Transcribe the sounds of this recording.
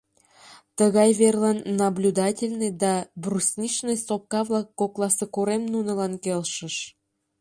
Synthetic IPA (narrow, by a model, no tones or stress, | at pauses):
t̪əɣɑjβerlɑnːɑblʲud̪ɑtʲelʲned̪ɑbrusʲnʲiʃnejsop̚kɑβlˠɑkːoklˠɑsekuɾemnunə̆lɑnkelʃə̆ʃ